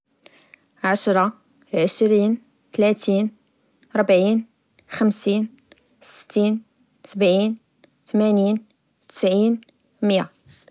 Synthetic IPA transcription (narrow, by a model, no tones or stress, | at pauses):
ʕaʃɾˤɑ | ʕəʃɾiːn | t̪læt̪in | ɾˤbʕin | xəmsin | sə̥t̪ːin | səbʕiːn | t̪mænin | t̪ə̥sʕin | məja̰